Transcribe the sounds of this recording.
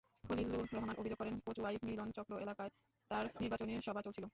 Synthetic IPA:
kolilːuɾoɦomano̰bʱid͡ʑoɡ̚kɔɾenkot͡ɕuajfmilont͡ɕɔkɾoʔelakae | t̪aɾniɾbat͡ɕoneɾʃɔbʱat͡ɕolt͡ɕʰilo

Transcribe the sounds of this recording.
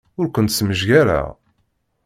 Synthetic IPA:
ʊɾkʷənt̪sməʒʝæɾa̰

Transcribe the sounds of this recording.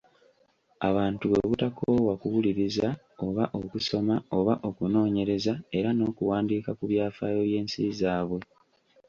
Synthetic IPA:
aβaːntuβeβutakoːwakuwuliɾiza | o̞βaʔokuso̞mao̞βaʔo̞kuno̞ːɲe̞ɾe̞zae̞ɾano̞ːkuwaːndiːkakuβjaːfaːjo̞βje̞ːnsḭzaːβwe̞

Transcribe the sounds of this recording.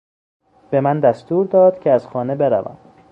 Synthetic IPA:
b̥e̞mænd̪æst̪uːɾd̪ɒːd̪̥cʰeæz̥xɒːne̞be̞ɾæ̰væ̰m

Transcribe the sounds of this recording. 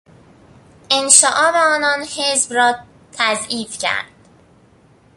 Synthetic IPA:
enʃɒːʔɒːbeɒːnɒːnhe̞zbɾɒː | t̪ʰæziːfcʰæ̰ɾd̪̥̚

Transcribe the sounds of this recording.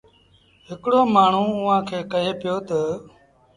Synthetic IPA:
ɦɪkɽoːmaːɳ̤ũːʊɦãːkʰeːkəɦeːpɪjoːt̪ə

